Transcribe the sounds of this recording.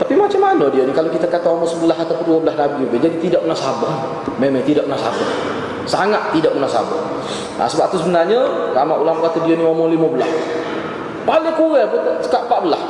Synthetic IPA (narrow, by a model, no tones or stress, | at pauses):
t̪apimat͡ʃamːanədianikalowkit̪akat̪aomɔŋsəbəlaɦat̪apʊnduabəlasnabid͡ʒubed͡ʒadit̪idaʔ̚mənasaba | memaŋt̪idaʔ̚mənasa̰ba | saŋat̪ːidaʔ̚mənasa̰ba | ʔa̰səbat̪usəbənarɲəlamaʔulamkat̪udianiɔmɔliməbəlas | palɪŋkuɾɛbət̪t͡ʃə̥kaʔmpaʔbəlah